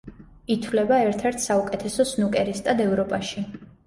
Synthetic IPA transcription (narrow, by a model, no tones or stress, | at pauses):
it̪ʰwlɛbaɛɾt̪ʰɛɾt̪ʰsaukʼɛt̪ʰɛsɔsnukʼɛɾist̪ʼad̪ɛvɾɔpʼaʃi